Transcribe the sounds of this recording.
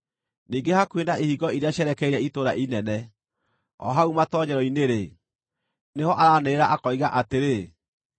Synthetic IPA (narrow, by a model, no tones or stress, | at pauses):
niːŋɡehakwendaʔehiɡɔiɾeaɕɛɾɛkɛiɾɛitoɾaʔinɛnɛ | ɔ̰ɦaumatɔɲɛɾɔineɾe | neɦɔʔaɾaːneeɾaʔakɔiɣaʔateɾe